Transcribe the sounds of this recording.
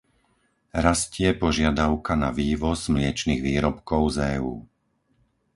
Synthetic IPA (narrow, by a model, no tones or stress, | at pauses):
ɾascɪɛpɔʒɪad̪aʊkana̰ʋiːʋɔzmlɪɛt͡ʃniɣʋiːɾɔpkɔʊzɛːṵː